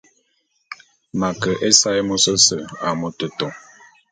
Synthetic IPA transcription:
ma˨kə˨ʔe˦sa˦jmo˦sə˦sə˨a˨mo˦tə˨tɔ˨

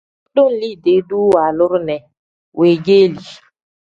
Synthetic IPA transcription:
ɗʊ˦n̩˨li˦˨de˨˦du˦wa˨lʊ˦ɾʊ˦nɛ˨ | wʔe˨ɡe˦li˨

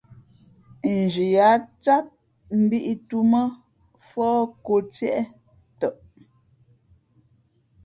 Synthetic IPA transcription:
n̩˨d͡ʒi˨ja˨˦t͡sa˦t̚ | m̩˦bi˦ʔi˦tu˦mə˦ | fɔː˦ko˨t͡sjɛ˦ʔɛ˦ | tɔ˦˨ʔ

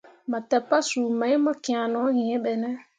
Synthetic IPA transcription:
ma˨tɛ˨pa˦su˨ma˨˦i˦ma˦kĩ˨ã˨nɔ˨˦ɣĩ˨ɛ̃˦ɓɛ˨nɛ˦

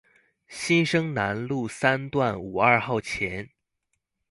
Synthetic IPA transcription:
ɕi˥nʂɤ˥ŋna˧˥nlu˥˩sa˥nt̪wa˥˩nu˨˩ɐ˞˥˧xɑ˥˩ʊt͡ɕʰjɛ˧˥n

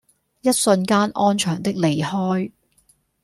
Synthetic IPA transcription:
jɐ˥t̚sɵ˧nkaː˥nʔɔː˥nt͡ʃʰœː˨˩ŋt̪ɪ˥k̚le˨˩jhɔː˥j

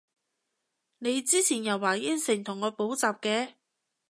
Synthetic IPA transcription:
ne˨˧jt͡siː˥t͡sʰiː˨˩njɐ˨˩wːaː˨˩jɪ˥nsɪ˨˩ŋt̪ʰʊ˨˩ŋːɔː˨˧po˨˥wt͡saː˨˩p̚kɛː˧

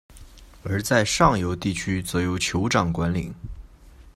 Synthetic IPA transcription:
ə˞˧˥t͡sa˥˧ɪʂɑ˥˩ŋjo˧˥ʊt̪i˥˩t͡ɕʰy˥t͡sɔ˨˧˥jo˧˥ʊt͡ɕʰjo˧˥ʊʈ͡ʂɑ˨˩ŋkwa˧˥nlḭ˨˩˦ŋ

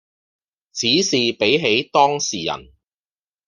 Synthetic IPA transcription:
t͡sʰiː˨˥siː˨pe˨˥jɦe˨˥jt̪ɔː˥ŋsiː˨˩jɐ̰˨˩n

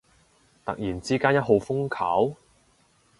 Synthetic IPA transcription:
t̪ɐ̰˨k̚jiː˨˩nt͡siː˥kaː˥njɐ˥t̚ɦo˨˧wfʊ˥ŋkʰaː˨˥w

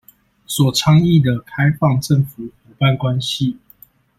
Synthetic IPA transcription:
swɔ˨˩ʈ͡ʂʰɑ˥ŋi˥˨d̪ə˨˩kʰa˦ɪfɑ˥˧ŋʈ͡ʂə˥˨ŋfu˨˩xu˨˩pa˥˨nkwa˦nɕi˨˦

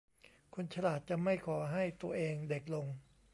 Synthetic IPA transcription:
kʰo˧nt͡ɕʰa˧laː˨˩t̪̚t͡ɕa˨˩ma˥˩jkʰɔː˩˦ɦa˥˩jt̪u˧ɐʔeː˧ŋde˨˩k̚lo˧ŋ

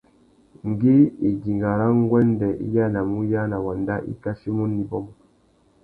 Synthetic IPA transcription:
ŋ˨ɡi˦i˨di˨ŋɡa˨ɾa˦ŋ˦ɡwɛ˦n˦dɛ˨ʔḭ˦ja˦na˨mu˦ja˦na˨wa˨nda˦ʔḭ˦ka˦si˦mu˦nːi˦bɔ˦mɔ˨

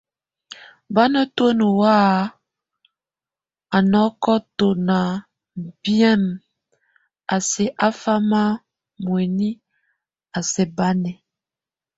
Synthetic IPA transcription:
ba˦nə˦two˦nu˨wa˦ | a˨nɔ˨˦kɔ˦to˨na˨ | bi˦ɛ˦˨m | a˨se˨ʔa˦fa˦ma˦ | mwe˨ni˦ | a˨sɛ˨ba˦nɛ˨

